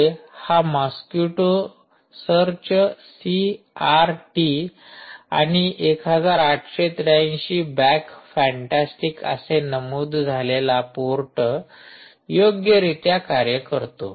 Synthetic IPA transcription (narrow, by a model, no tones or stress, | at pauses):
haməskjuʈo | səɾt͡ɕsi | aɾʈi | a̰ɽ̃iʔekɦəd͡zaɾaʈɕet̪ɾaĩɕiːbɛkfɛ̃ɳʈasʈikə̰senəmuːd̪ʱd͡zʱalelapuɾʈə | joɡjəɾit̪jakaɾjəkəɾt̪o̰